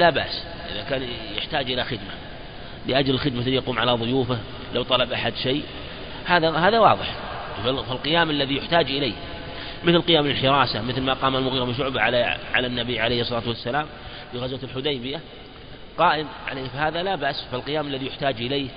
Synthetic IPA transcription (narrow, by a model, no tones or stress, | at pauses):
laba̰ʔs | ʔɪ̰ðakaːnjɪħt̪aːd͡ʒʔɪlaxɪd̪ma | lɪʔad͡ʒlɪlxɪd̪̚mljɑquːmʕalaðˤʊjuːfɪh | lawt̪ˤɑlɑbʔaħad̪ʃej | haːðahaːðawɑːðˤɨħ | falqɪjaːmalːaðijʊħt̪aːd͡ʒʔɪleːh | mɪθlqɪjaːmlɪlħɪɾˤɑːsamɪθlmaqɑːmalmʊɣiːɾˤmɪnʃ̬ʊʕbaʕaaʕa̰lanːabiʕalejhɨsˤːɑlɑːt̪wasːalaːm | fɪɣazwalħʊd̪ajbɪja | qɑːʔɪmʕa̰leːhfahaːðalabaʔsfalqɨjaːmalːaðijʊħt̪aːd͡ʒʔɪleːh